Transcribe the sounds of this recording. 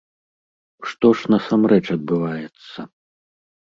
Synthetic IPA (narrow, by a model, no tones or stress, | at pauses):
ʂt̪ɔʂnɐsamɾɛt͡ʂɐd̪̚bɨvajɛt̪sːɐ